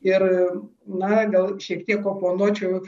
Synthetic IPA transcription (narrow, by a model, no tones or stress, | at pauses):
ɪrnɐɡɐlˠʃʲiɛkt̪ʲiɛkoːpoːnuɔt͡ʃʲʊ